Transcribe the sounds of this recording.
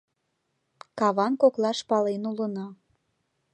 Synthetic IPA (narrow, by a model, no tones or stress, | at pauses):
kɑβɑnkoklɑʃpɑlenulənɑ